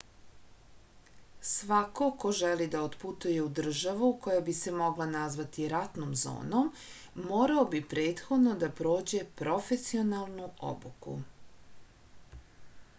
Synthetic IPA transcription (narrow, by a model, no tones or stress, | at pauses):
sʋako̞ko̞ʒelid̪aot̪put̪uje̞ud̪r̩ʒaʋuko̞jabise̞mo̞ɡlanazʋat̪iɾat̪nomzo̰ːno̞mː | o̞ːɾaobipɾeːt̪xo̞d̪no̞d̪apɾo̞ːd͡ʑe̞pɾo̞fe̞sio̞nalˠnuʔo̰bukṵ